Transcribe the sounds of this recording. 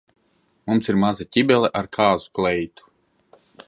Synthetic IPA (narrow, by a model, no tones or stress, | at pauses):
mumsiɾmazat̪ʲibʲɛlˠɛʔaɾkʰaːzuklɛjt̪u̥